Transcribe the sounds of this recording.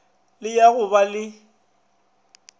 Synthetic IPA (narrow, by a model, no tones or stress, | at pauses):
lɪjaɣʊbalɪ